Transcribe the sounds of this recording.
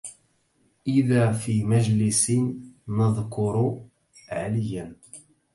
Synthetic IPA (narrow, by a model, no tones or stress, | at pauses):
ʔɪðaːfiːmæʒlɪsɪnːəðˤkʊɾˤ | ʕalɪjan